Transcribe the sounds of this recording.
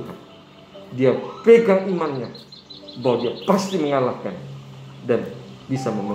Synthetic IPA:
ka̰n | diapeɡaŋimanɲabaɦwadiapast̪iməŋalahkandanbisaməmə

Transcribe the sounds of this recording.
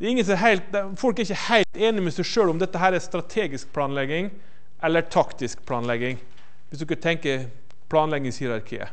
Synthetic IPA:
d̪ɛːɾɪŋːəsɔɛɦæɪlt̪̚d̪ɛfɔlkæɾɪçːəhæɪlt̪eːnɪmɛsæɪʂøːɽʊmd̪ɛt̪ːəɦæːɾæst̪ɾɑt̪ʰeːɡɪsk̚pʰlɑːnlɛɡːɪŋ | ʔɛlːəʈʰɑkt̪ɪskpʰlɑːnlɛɡɪŋ | ʋɪsd̪ʉɪkɑt̪ʰɛŋkə | pʰlɑːnlɛɡːɪŋshiːɾɑɾkʰḭːə̰

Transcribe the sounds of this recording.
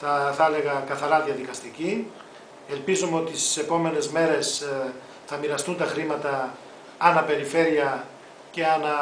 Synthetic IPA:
θɐθɐle̞ɣɐkɐθɐɾɐðjɐðikɐst̪ici | e̞lpizomeo̞t̪isse̞po̞me̞ne̞zme̞ɾe̞s | θɐmiɾɐst̪unt̪ɐxɾimɐt̪ɐ | ɐnɐpe̞ɾife̞ɾiɐ | ce̞ɐnɐ

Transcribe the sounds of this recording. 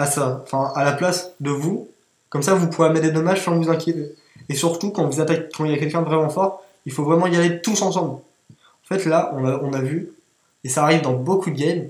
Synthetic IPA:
asaɑ̃fɛ̃alaplasd̪əvu | kɔmsavupuʁemɛd̪ed̪ɔmaʒsɑ̃vuzɛ̃kʲjet̪e | esyʁt̪ukɑ̃vuzat̪akkɑ̃ilakʲɛlkʲɛ̃əvʁɛmɑ̃fɔʁ | ilfovʁɛmɑ̃ijalet̪usɑ̃sɑ̃bl | ɑ̃fɛt̪laʔɔ̃naɔ̃navy | esaːʁivd̪ɑ̃bokud̪əɡʲɛm

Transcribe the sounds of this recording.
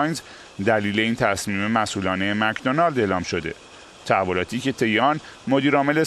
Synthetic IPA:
jnz | d̪æliːle̞iːnt̪ʰæsmiːme̞mæsʔuːlɒːnejːmækd̪onɒld̪eːlɒːmʃo̞d̪e̞̰ | t̪ʰæævːo̞lɒːt̪ʰiːce̞t̪ʰe̞jeɒn | mo̞d̪iːɾɒːme̞le̞

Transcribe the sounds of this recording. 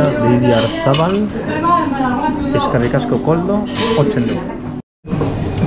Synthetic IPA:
aβiðjaɾθaβal | eskarikaskokold̪oot͡ʃene

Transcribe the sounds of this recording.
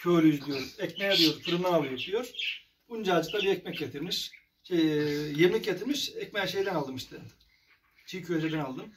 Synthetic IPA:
cʰøːlʲyyzd̪ʲijoɾuzɛcmɛjad̪ijoɾzfɯɾɯnaːlˠɯjɯp̚d̪ijoɾ̥ | und͡ʒad͡ʒɯk̚t̪abiɛc̚mɛc̚ɟet̪ʰiɾmiʃ | jeminʲic̚ʲɟet̪ʰiɾmiʃɛcmejɛʃejd̪ɛnalˠd̪ɯmiʃt̪ʰɯ | t͡ʃʰijcʰøed͡ʒed̪ɛnalˠd̪ɯm

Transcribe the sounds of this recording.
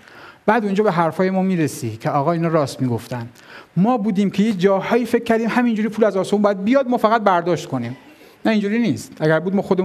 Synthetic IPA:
b̥æːd̪ond͡ʒɒːbeɦæɾfɒːje̞mɒːmiːɾesiːcʰeɒːɣɒːiːnɒːɾɒːst̪miːɡo̞ft̪ænd̪ | mɒːbuːd̪iːmcʰe̞je̞kd͡ʒɒːhɒːjiːfekʰʲːæɾd̪iːmhæmind͡ʒuːɾiːpʰuːlæzɒːsomumbɒːjæd̪̚bijɒd̪̚mɒːfæɣæt̪̚bæɾd̪ɒːʃt̪kʰo̞nim | næind͡ʒuːɾiːniːst̪ʔæɡæɾbuːd̪̚mɒːxod̪e

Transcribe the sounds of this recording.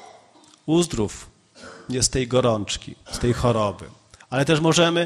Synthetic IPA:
uzd̪ɾuf | ɲɛst̪ɛjɡɔɾɔnt͡ʂkʲḭst̪ɛjxɔɾɔbɘ̰ | alɛt̪ɛʂmɔʐɛmɘ

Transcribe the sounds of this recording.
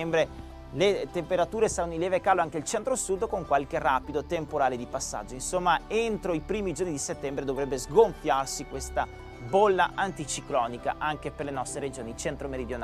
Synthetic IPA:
ɛmbɾe | let̪empeɾat̪uːɾesaɾanːoinlːɛːvekaːloaŋk̟eilt͡ʃɛnt̪ɾosud̪koŋkwalk̟eraːpid̪ot̪empoɾaːled̪ipasːa̰d͡ʒːoinsomːaent̪ɾoipɾiːmid͡ʒornid̪iset̪ːɛmbɾed̪ovɾɛbːezɡoɱfjarsikwest̪a | bolːaʔant̪it͡ʃiklɔnika̰ʔaŋk̟eperlenɔst̪ɾeɾed͡ʒoːnit͡ʃɛnt̪ɾomeɾid̪jona

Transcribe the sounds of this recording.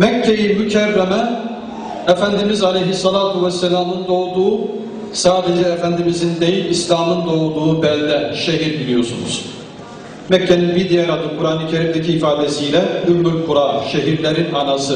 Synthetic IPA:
mɛkʰːejimycʰærːɛmɛ | ɛfænd̪imizalejɦisːɑlʲaːt̪ʰuvɛsːɛlʲaːmɯnd̪o̞d̪uː | saːd̪ɛd͡ʒɛːfænd̪imizind̪ejinislʲaːmɯnd̪o̞ud̪uubɛlʲːɛʃeɦiɾbilʲijo̞sunṵz̥ | mɛcʰːɛninvid̪ijɛɾad̪ɯkʰuɾaːnɯcʰeɾimd̪ɛcʰiːfaːd̪ɛsijlʲɛymmyɾkʰuɾaʃeɦiɾlʲeɾinanasɯ

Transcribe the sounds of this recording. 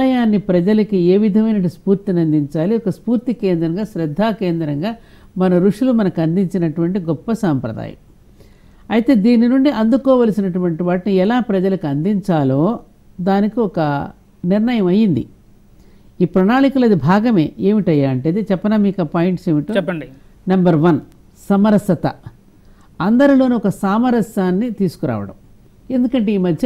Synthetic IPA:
lɐjaːnːipɾɐd͡ʒɐlɐkie̞ːʋid̪ʱɐmɐjnɐʈuspuːɾt̪inɐnd̪iɲt͡ʃaːliɔkɐspuːɾt̪ikeːnd̪ɾɐŋɡaːʃɾɐd̪ʱːaːkeːnd̪ɾɐŋɡaː | mɐnɐɾuʂulumɐnɐkɐnd̪iɲt͡ʃinɐʈuʋɐɳʈiɡɔpːɐsaːmpɾɐ̰d̪a̰ːjɐ̰m | ɐjt̪e̞ːd̪iːninuɳɖiʔɐnd̪ukɔːʋɐlɐsinɐʈuʋɐɳʈiʋaːʈniɛlaːpɾɐd͡ʒɐlɐkiɐnd̪iɲt͡ʃaːlo̞ː | d̪aːnikiɔkɐ | niɾnɐjɐmɐjind̪ḭ | iːpɾɐnaːɳikulɐd̪ibʱaːɡɐme̞̰ːe̞ːmiʈɐjaːɐɳʈeːd̪et͡ʃɛpːɐnaːmiːkaːpaːjiɳʈse̞ːʋiʈuɛpːɐɳɖi | nɐmbɐɾʋɐn | sɐmɐɾɐsɐt̪ɐ̰ | ɐnd̪ɐɾilo̞ːniɔkɐsaːmɐɾɐsaːnːit̪iːsu̥kuɾa̰ːʋɐ̰ɽɐ̰m | e̞nd̪ukɐɳʈe̞ːiːmɐd̪ʱjɐ

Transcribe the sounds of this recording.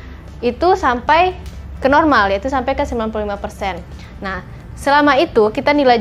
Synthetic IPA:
it̪usampajkənɔrmaljait̪usampajkəsəmilanp̬ululimapərsɛnː | ah | səlamait̪ukit̪anilaj

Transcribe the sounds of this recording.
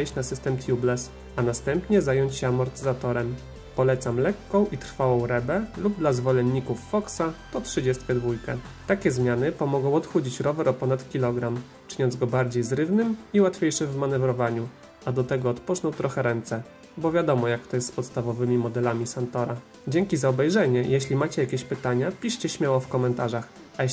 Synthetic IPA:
jɕt͡ɕnasɘst̪ɛmt̪ʲjublɛs | anast̪ɛmpɲɛzajɔɲt͡ɕɕɛamɔɾt̪ɘzat̪ɔɾɛm | pɔlɛt̪samlɛkːɔ̃w̃ʔit̪ɾfawɔ̃w̃ɾɛbɛlubd̪lazvɔlɛnːikufːɔksat̪ɔtʂɘd͡ʑɛst̪̚kʲɛd̪vujkɛ | t̪akʲɛzmʲjanɘpɔmɔɡɔ̃w̃ɔt̪xud͡ʑit͡ɕɾɔvɛɾɔpɔnat̪kʲilɔɡɾam | t͡ʂɘɲɔnd̪zɡɔbaɾd͡ʑejzɾɘvnɘmiwat̪fʲjejʂɘvmanɛvɾɔvaɲu | ad̪ɔt̪ɛɡɔːt̪pɔt͡ʂnɔwt̪ɾɔxɛɾɛnt̪sɛ | bɔvʲjad̪ɔmɔjak̚t̪ɔjɛst̪spɔt̪st̪avɔvɘmʲimɔd̪ɛlamʲisant̪ɔɾa | d͡ʑɛŋkʲizaɔbɛjʐɛɲɛjʔɛɕlʲimat͡ɕɛjakʲeɕpɘt̪aɲapʲiʂt͡ɕɛɕmʲjawɔfkɔmɛnt̪aʐax | a

